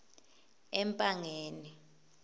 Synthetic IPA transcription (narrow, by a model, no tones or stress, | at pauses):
ɛmpʼaŋeːni